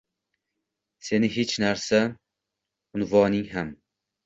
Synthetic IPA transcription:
se̞nɪɦet͡ʃnaɾsa | ʊnvɒnɪŋɦam

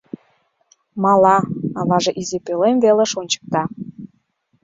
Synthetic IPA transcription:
mɑlɑɑβɑʒeʔizepelemveleʃonʲt͡ɕə̥k̚t̪ɑ

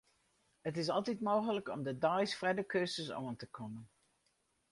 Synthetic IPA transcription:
ɦətɪs̬ɑlˠtɛtmowχələkɔmdədɑjsfrɛdəkøsəso̰ːəntəkɔmən

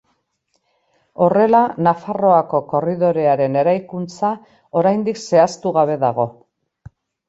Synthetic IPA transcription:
o̞re̞lanafaro̞ako̞ko̞riðo̞ɾe̞aɾe̞ne̞ɾajkunt͡sa | o̞ɾajnd̪ikse̞ast̪uɣaβ̞e̞ðaɣo̞

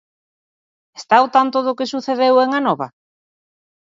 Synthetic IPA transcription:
est̪aawt̪ant̪oðʊkesuθeðeweŋanɔβɐ̰

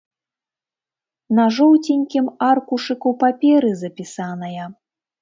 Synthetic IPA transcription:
nɐʐɔwt͡sʲinʲkʲimarkuʂɨkupapʲɛɾɨzɐpʲisanɐjɐ

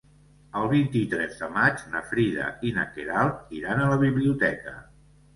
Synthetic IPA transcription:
əlˠβint̪it̪ɾɛzðəmad͡ʒnəfɾiðə̰inə̰keɾalˠt̪iɾanələβiβliut̪ɛkə̰

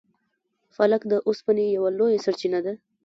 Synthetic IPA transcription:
falakd̪əʔʊspanejawalojasaɾt͡ʃinad̪a

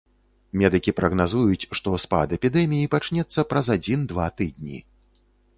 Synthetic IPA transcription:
mʲɛd̪ɨkʲipɾɐɣnazujut͡sʲʂt̪ɔspa̰d̪ɛpʲid̪ɛmʲijipat͡ʂnʲɛt̪sːɐpɾɐzad͡zʲind̪vat̪ɨd̪̚ʲnʲḭ

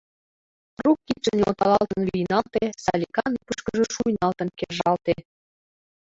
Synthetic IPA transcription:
rukːit̪t͡ʃənʲeo̰t̪ɑlɑlt̪ənvʲijnɑlt̪esɑlʲikɑnipəʃkəʒɤ̆ʃujnɑlt̪ə̆nkerʒɑlt̪e

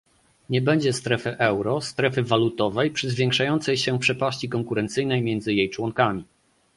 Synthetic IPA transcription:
ɲɛbɛɲd͡ʑɛst̪ɾɛfɘʔɛwɾɔst̪ɾɛfɘvalut̪ɔvɛjpʂɘzvʲjeŋkʂajɔnt̪sɛjɕɛpʂɛpaɕt͡ɕikɔŋkuɾɛnt̪sɘjnɛjmʲjɛnd̪zɘjejt͡ʂwɔŋkamʲi

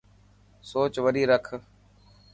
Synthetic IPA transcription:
soːt͡ʃʋəɾiːɾəkʰ

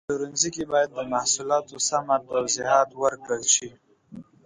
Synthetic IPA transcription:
əɾunzikebɑjad̪̚ːəmahsulɑːt̪osamat̪awziɦɑːt̪wəɾkəlʃi

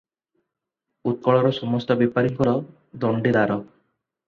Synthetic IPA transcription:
ut̪̚kɔɭɔɾɔsɔmɔst̪ɔbipaɾiŋkɔɾɔ | d̪ɔɳɖid̪aɾɔ

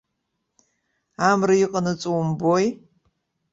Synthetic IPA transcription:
amrɨjɪqʼənɨt͡sʼuwmboj

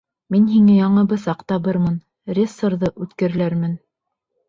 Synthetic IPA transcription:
minɦiŋɘjɑɴɤ̆bɤsɑqt̪ɑβɤɾmɤn | rʲesːŏɾðɤʔʉt̪kɘ̆ɾɘ̆læɾmɘn

